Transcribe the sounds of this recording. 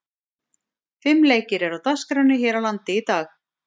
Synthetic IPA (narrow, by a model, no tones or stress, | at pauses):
fɪmːleːjcɪɾɛɾawt̪askɾawnɪçɛːɾawlant̪ɪit̪aːx